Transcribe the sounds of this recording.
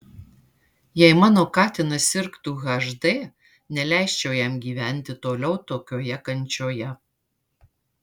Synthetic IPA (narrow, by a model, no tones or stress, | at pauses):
jɛɪmɑːnoːkɑːt̪ʲɪnɐsʲɪɾkt̪uːɣɐʒd̪eː | nʲɛlʲæˑɪʃʲt͡ʃʲɛʊjɛmɡʲiːʋʲæˑnʲt̪ʲɪt̪oːlʲɛʊt̪oːkʲoːjɛkɐnʲt͡ʃʲoːjɛ